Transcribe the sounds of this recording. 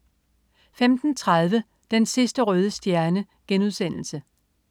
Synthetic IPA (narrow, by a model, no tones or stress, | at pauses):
femd̥n̩t͡sʰʁað̞ˠʋə | d̥ensisd̥əʁœːð̞ˠəsd̥jæɐnə | ɡ̥enuð̞ˠsen̰l̩sə